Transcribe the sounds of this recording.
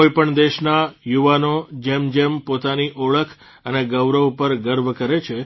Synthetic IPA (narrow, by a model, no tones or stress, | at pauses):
ojpəɳd̪eʃnajuʋanod͡ʒemd͡ʒempot̪aniʔoɭəkʰ | əneɡəʋɾəʋpəɾɡəɾʋkəɾet͡ʃʰe